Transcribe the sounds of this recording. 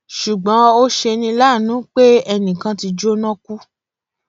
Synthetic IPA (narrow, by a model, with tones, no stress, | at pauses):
ʃu˨ɡ͡bɔ̃˨˦o˦ʃe˧nĩ˧la˦˨nũ˨˦k͡pe˦ɛ˧nĩ˨kã˧ti˧d͡ʒo˦nɔ̃˦ku˦